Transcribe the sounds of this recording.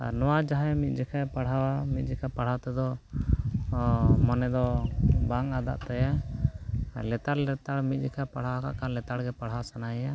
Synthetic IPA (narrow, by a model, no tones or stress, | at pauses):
a̰nɔwad͡ʒaɦɛmit̪̚d͡ʒɛkʰapaɽ̤awamit̪̚ˀd͡ʒɛkʰapaɽ̤at̪ɛd̪ɔ | mɔnɛd̪ɔbaŋad̪a̰ʔt̪aja | lɛt̪aɽlɛt̪aɽmit̪̚ˀd͡ʒikʰapaɽ̤awaka̰ʔkanlɛt̪aɽɡɛpaɽ̤awasanaja